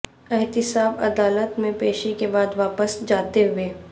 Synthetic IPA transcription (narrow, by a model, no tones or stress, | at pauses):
ɪɦt̪ɪsaːbɐ̰d̪aːlət̪mẽpeːʃekebaːd̪ʋaːpəsd͡ʒaːt̪eɦʊeː